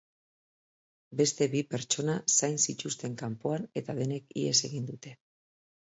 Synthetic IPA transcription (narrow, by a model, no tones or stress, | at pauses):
be̞st̪e̞βipe̞ɾt͡ʃo̞nasajnsit͡ʃ̪ust̪e̞ŋkampo̞ane̞t̪að̞e̞ne̞kḭḛse̞ɣind̪ut̪e̞